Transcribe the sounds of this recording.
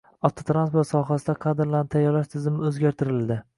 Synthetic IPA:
ɒft̪ʰot̪ɾanspoɾt̪sɒɦasɪd̪aqʰɑd̪ɾlanɪt̪ʰajɒɾlaʃt̪ʰɪzɪmɪɵzɡʲaɾt̪ʰɪɾɪld̪ɪ

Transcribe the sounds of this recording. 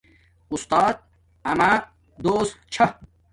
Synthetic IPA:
ust̪aːt̪̚ | ɐma | d̪oːst̪t͡ɕʰɐ

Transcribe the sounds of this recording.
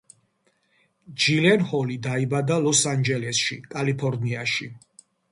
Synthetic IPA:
d͡ʒilɛnhɔlid̪aibad̪alɔsand͡ʒɛlɛsʃḭkʼalipʰɔɾniaʃi

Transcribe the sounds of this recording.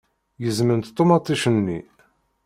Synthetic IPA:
jəzmənt̪t̪ˤːomɑt̪ˤːiʃənːḭ

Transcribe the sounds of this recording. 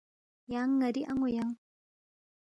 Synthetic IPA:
jaŋːəɾiʔaŋojaŋ

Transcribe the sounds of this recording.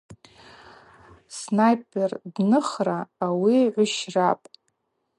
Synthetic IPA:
snajpʼʰerdnɨχraːwiʕʷʊʃrapʼ

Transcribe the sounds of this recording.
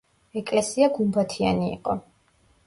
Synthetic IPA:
ɛkʼlɛsiaɡumbat̪ʰia̰nḭːqʼɔ

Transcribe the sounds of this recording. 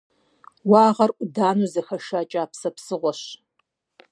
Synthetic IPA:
wɑːʁɐrʔʷʊdaːnuːzɐxɐʃaːt͡ʃʼaːpsɐpsɨʁʷɔɕ

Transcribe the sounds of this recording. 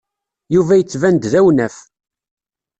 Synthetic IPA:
juvæjət͡sːvænd̪ðæwnæf

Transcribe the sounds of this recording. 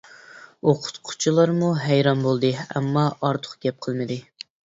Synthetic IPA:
oqʰʊ̥t̪qʰʊ̥t͡ʃʰilˠɑɾmuɦɛjɾɑnbolˠd̪ɨɛ̰mːɑʔɑɾt̪ʰʊ̥χɡ̥ʲɛp̚qʰəlˠmɪd̪ɨ

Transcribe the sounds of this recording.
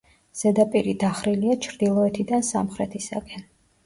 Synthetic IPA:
z̥ɛd̪apʼiɾid̪aχɾiliat͡ʃʰɾd̪ilˠɔɛt̪ʰid̪ansa̰mχɾɛt̪ʰisa̰ɡɛn

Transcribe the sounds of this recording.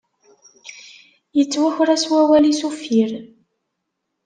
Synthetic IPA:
jət͡sːwæçɾæswæwælisufiɾ

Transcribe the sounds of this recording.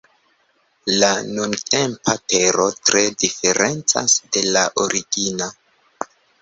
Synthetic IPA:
lanunte̞mpʰate̞ɾo̞tɾe̞dife̞ɾe̞nt͡sa̰sde̞laʔoɾʔiɡina

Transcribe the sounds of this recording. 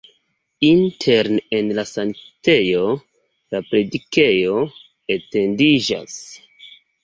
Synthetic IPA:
intʰeɾnenlasaŋte̞jo̞ | lapɾe̞dike̞jo̞ | ete̞ndid͡ʒa̰s

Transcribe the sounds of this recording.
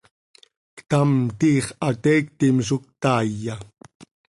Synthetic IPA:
kt̪amt̪iːχat̪eːk̚t̪ɪmsʊk̚t̪aːja

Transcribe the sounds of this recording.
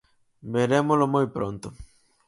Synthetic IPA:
beɾemolomojpɾõnt̪ʊ

